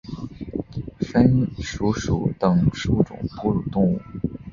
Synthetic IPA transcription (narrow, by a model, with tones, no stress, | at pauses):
fə˥nʂu˧˥ʂṵ˨˩t̪ɤ˥˨˩ŋʂu˧˥ʈ͡ʂʊ̰˨˩ŋpu˥ɻu˨˩t̪ʊ˥˧ŋu˥˩